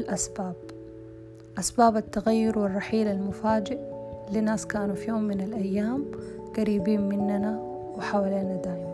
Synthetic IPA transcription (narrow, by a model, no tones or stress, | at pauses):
lʔasbaːb | ʔasbaːbat̪ːaɣajːʊɾwɪrˤːɑħiːlalmʊfaːd͡ʒɪʔlinaːskaːnufijoːmːɪnalʔajːaːmɡ̥aɾiːbiːnmɪnːana | wɪħawaleːnad̪aːʔɪma